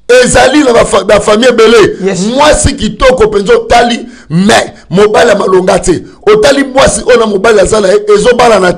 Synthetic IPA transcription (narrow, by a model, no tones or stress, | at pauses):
ezalinaafbafamiebelemwasikitɔkɔpenzeotali | mɛ | mobaliamaloŋɡate | otalimwasiʔoonamobaliazanaeʔezobalana